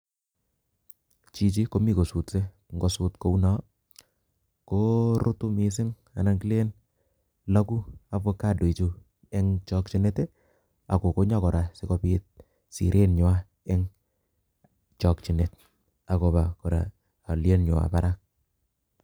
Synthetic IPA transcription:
t͡ʃi˨˧t͡ʃi˦ko˨˦mi˦ko˨su˨tse˦ | ŋɡo˨suː˦tko˦u˦nɔ˦ | ko˦ɾo˦tu˦mi˨s̬ɪ˦ŋ | a̰˨na˦ŋɡi˦le˦n | la˦ku˦a˨pwe˦ka˦do˨i˨t͡ʃu˦ | ɛ˦ŋt͡ʃɔ˦k̚t͡ʃi˦ne˦te˦ | a˨ko˨ko˦ɲa˦kɔ˨ɾa˨se˦ko˦pi˦t̚ | sḭ˨ɾʔe˦nɲo˨a˦ | ɛ˦ŋ | t͡ʃɔ˨k̚t͡ʃi˨ne˨t̚ | a˨ko˨ba˨kɔ˨ɾa̰ː˨ | lje˦nɲo˨a̰˨paɾa˦k̚

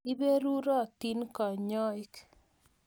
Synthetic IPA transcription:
i˦be˦ɾu˦ɾɔ˦˨t̪i˦nkɔ˨ɲɔ˦ɪ˦k

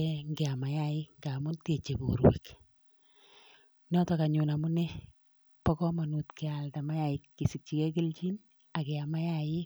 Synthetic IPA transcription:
ɛŋɡɛ˨a˨ma˨ja˦ɪ˦ŋɡa˨mʊ˦nte˨t͡ʃe˨bṵ˨ɾwḭ˨k | nɔ˦tɔ˨ka˨ɲu˨na˨mʊ˦ne˦ | pɔ˦kɔ˦ma˨nu˨tke˨a˨lta˨ma˦ja˦ɪ˦kːi˨si˨k̚t͡ʃi˨ke˦k̬ɪ˦lt͡ʃi˦n | a˨kɛ˨a˨ma˦jajɪ˦

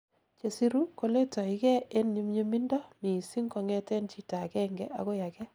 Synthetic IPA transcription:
t͡ʃe˨si˦ɾu˦ko˦le˦tɔ˨i˨kɛ˦e˦nɲi˦mɲe˦mi˦ndɔ˦mi˨si˦ŋkɔ˧ŋɛ˦tɛ˦nt͡ʃi˨ta˨kɛ˦ŋɡɛ̰˦ʔa̰˨ko˦ja˨kɛ˦

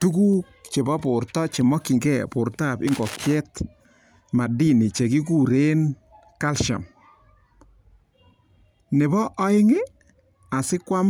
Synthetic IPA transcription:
tu˦ku˦k̚t͡ʃe˨bɔ˦pʊ˨rtɔ˦t͡ʃe˨mɔ˦ki˨ŋɡɛ˦˨pʊ˨ɾta˦˨pɪ˦ŋɡɔ˨kjɛ˦t | ma˨di˦ni˨t͡ʃe˨ki˦k̬u˦ɾe˦n | ka˦lʃa̰˨m | nɪ˨bɔ˦ʔɔ˦ɪ˦ŋe˦ | a˨sɪ˦kwa˦m

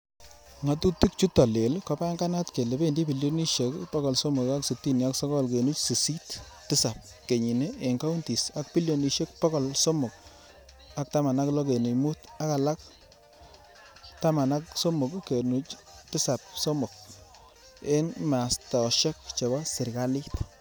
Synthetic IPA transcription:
ŋa˨tu˦ti˦k̚t͡ʃu˦tɔ˨le˨lkɔ˦pa˦ŋɡa˦na˦tke˨le˨be˦ndi˦bi˨ljo˦ni˦ʃe˦kpɔ˦kɔ˨lso˦mʊ˨ka˦ksu˨ti˦ni˨a˦ksɔ˦kɔ˦lke˨nu˦t͡ʃsi˨si˦t | tɪ˦sa˨p̚ | ke˨ɲi˨ne˦e˨ŋka˦u˦nti˨sa˦k̚pi˦ljo˨ni˨ʃe˦k̚pɔ˦kɔ˨lso˦mʊ˨k̚ | a˨k̚ta˦ma˨na˦klɔ˦ke˨ni˨mu˦ta˦ka˨la˦k̚ | ta˦ma˨na˦k̚so˦mʊ˨kke˨nu˦t͡ʃtɪ˦sa˨p̚so˦mʊ˨k̚ | e˦nma˨sta˨ʃe˦k̚t͡ʃe˨bɔ˦sɪ˨ɾka˦li˦t

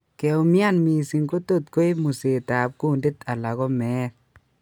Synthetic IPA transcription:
kɛ˨u˧mja˦nmi˨si˨ŋko˦to˦tko˦i˦mu˨se˨ta˨p̚ku˦nde˦ta˨la˨ɣɔ˦mɛː˦t

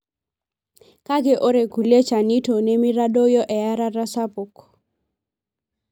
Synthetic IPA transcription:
ka˦ɡe˨ʔo˦ɾe˨ku˨le˦t͡ʃa˨ni˦to˨ne˦mi˦ɾa˦do˦jɔ˦ʔɛ˨ja˦ɾa˦ɾa˦sa˦po˨k

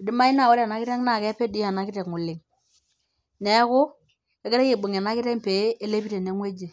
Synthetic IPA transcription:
di˦ma˦i˦na˨wo˦ɾa˨na˦kɪ˦ɾe˦ŋna˨kɛ˦pe˦di˦a˨na˨kɪ˦te˨ŋu˨lɪ˨ŋ | ne˨ja˦kʊ˦ | e˦ke˦ɾe˦ke˦˨bu˨ŋe˨na˦ki˦ɾe˦ŋpe˨˦e˦le˦pi˦ɾe˨ne˨˦ŋwe˦d͡ʒe˨

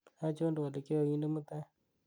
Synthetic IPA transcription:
a˦t͡ʃo˦ndu˨wa˨le˨ke˦ɔ˨i˦nde˦mu˦t̪a˦

